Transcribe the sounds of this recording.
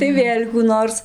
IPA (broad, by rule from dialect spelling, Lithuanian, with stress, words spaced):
tɐɪ ˈʋʲeːlʲ kuː ˈnoːrs